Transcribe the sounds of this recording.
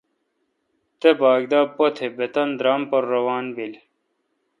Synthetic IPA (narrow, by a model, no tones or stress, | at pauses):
t̪ebaːɡd̪aːpot̪ʰebet̪ɐnd̪ɾaːmpɐɾːɐwaːnbil